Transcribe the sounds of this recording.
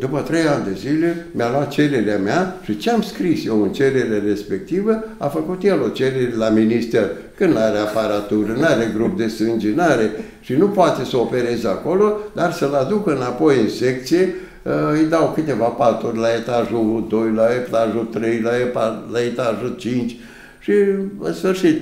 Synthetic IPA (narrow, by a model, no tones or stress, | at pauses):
d̪upət̪ɾe̞janʲd̪e̞zile̞mʲjalwat̪̚t͡ʃe̞ɾe̞ɾeameaʃit͡ʃeamskɾisjewɨnt͡ʃe̞ɾe̞ɾerespe̞k̚t̪ivəafəkut̪jelot͡ʃeɾeɾlaminist̪er | kɨnd̪naɾeapaɾat̪urnaɾeɡɾup̚d̪e̞st̪ɨnd͡ʒinaɾe̞ | ʃinupoat̪e̞səo̞pe̞ɾe̞zako̞lo̞d̪arsəlad̪ukɨnapo̞jɨnsek̚t̪sije | ɨjd̪awkɨt̪e̞vapat̪urʲlae̞t̪aʒuud̪o̞jlaeptaʒut̪ɾejlaepalaet̪aʒut͡ʃint͡ʃʲ | ʃiɨsfɨrʃit̪